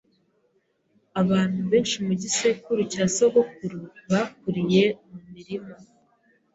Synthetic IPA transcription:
aβaːn̥huβe̞ːnʃimuɟise̞kuɾucaːsoɡokuɾuβak̚uɾije̞mumiɾimo

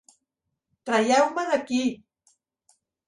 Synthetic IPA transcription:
t̪ɾajawmanaki

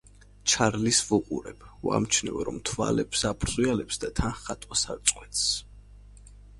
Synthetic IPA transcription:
t͡ʃʰaɾlisvuqʼṵɾɛbua̰mt͡ʃʰnɛvɔɾɔ̰mt̪ʰva̰lɛpsapʰɾzialɛpsd̪at̪ʰanχat̪ʼwasaɾt̪sʼqʼwɛt̪s

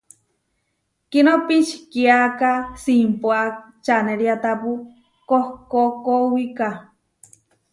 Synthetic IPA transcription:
kinopit͡ʃkiakasimpoa | t͡ʃaneɾiat̪apu | kohkokowika

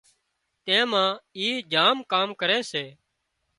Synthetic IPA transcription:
t̪ẽːmãːiːd͡ʒaːmkaːmkəɾeːseː

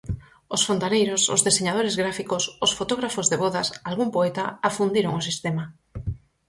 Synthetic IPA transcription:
osfont̪anejɾoso̰zðeseɲað̞oɾezɣɾafikososfot̪oɣ̞ɾafozðeβoðasalɣumpoɛt̪aafund̪iɾoŋosist̪ɛma

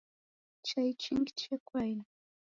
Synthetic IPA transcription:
t͡ʃajt͡ʃɪŋɡɪ̥t͡ʃakʰwaj

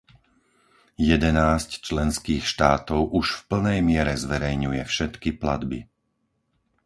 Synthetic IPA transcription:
jɛd̪ɛnaːsct͡ʃlɛnskiːxʃt̪aːt̪ɔʊʔuʃfpl̩nɛjmɪɛɾɛzʋɛɾɛjɲujɛfʃɛt̪kipla̰d̪bḭ

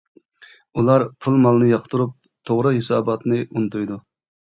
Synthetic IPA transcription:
ulˠɑɾpʰulˠmɑlˠnɨjɑqʰt̪ʰuɾup̚ | t̪ʰoʁɾɨhesɑːbɑt̪nɨʔunɨt̪ujd̪u

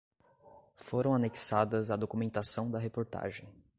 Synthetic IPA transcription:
foɾɐ̃w̃aneki̥sad̪ɐzad̪okumẽnt̪asɐ̃w̃d̪ɐɦepoɾt̪a̰ʒẽj̃

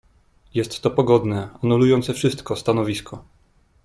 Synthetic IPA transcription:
jɛst̪ːɔpɔɡɔd̪nɛanulujɔnt̪sɛfʂɘst̪kɔst̪anɔvʲiskʰɔ

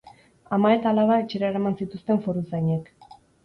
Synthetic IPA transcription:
amae̞t̪aːlaβaet͡ʃe̞ɾaeɾamansit̪ust̪e̞ɱfo̞ɾuzɡajɲek

